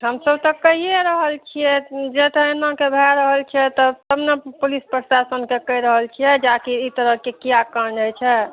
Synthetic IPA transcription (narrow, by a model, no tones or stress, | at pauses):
ɦəmsəbt̪ɔkəɦieɾəɦəlt͡ʃʰijɛd͡ʒet̪əenmãkebʱɛɾəɦəlt͡ʃʰiɛt̪ɔt̪əbnepulispɾəsasənkekəjɾəɦəlt͡ʃʰijɛd͡ʒakiit̪əɾəɦkekijakənd͡ʒəjt͡ʃʰɛ